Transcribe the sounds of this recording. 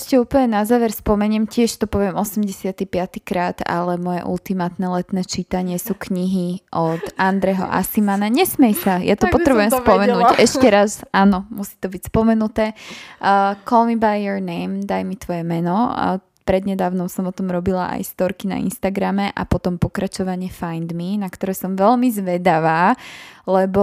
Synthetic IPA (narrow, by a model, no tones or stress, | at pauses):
ɛʃcɛuːpəɲɛnazaːʋɛɾspɔmɛɲɛmcɪɛʃt̪ɔpɔʋɪɛmʔɔsɛmɟɛsɪat̪ipɪat̪ikɾaːd̪a̰lɛmɔjɛ̰ʔṵlt̪imaːt̪nɛlɛt̪nɛːt͡ʃit̪aɲɪɛsuːkɲiɦiʔɔt̪ʔand̪ɾɛɦɔ̰ʔa̰simanaɲɛsmɛjsajʔa̰t̪ɔpɔt̪ɾɛbujɛmspɔmɛnuːɟɛʃcɛɾasaːnɔmusi̥t̪ɔbicspɔmɛnut̪ɛː | kʰɔlmibajːɔɾnɛjmd̪ajmit̪ʋɔjɛmɛnɔ | pɾɛd̪ɲɛd̪aːʊnɔʊsɔmɔt̪ɔmɾɔbila̰ʔa̰jst̪ɔɾkina̰ḭnst̪aɡɾamɛʔa̰pɔt̪ɔmpɔkɾat͡ʃɔʋaɲɪɛfajnd̪minakt̪ɔɾɛːsɔmʋɛlmizʋɛd̪aʋaːlɛbɔ